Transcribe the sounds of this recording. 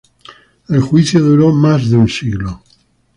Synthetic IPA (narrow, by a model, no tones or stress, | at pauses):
elxwiθjoðuɾomazðeunsiɣlo